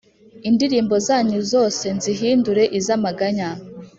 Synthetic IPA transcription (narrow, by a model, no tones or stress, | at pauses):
indiɾiːmbo̞zaːɲuzo̞ːse̞nziɦiːnduɾe̞ʔizamaɡaɲa